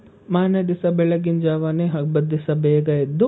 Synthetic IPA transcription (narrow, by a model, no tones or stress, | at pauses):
maːnjɐd̪isɐbɛɭɐɡind͡ʒaːʋaneɦɐɡbɐd̪ʱːisɐbɛːɡɐed̪ːu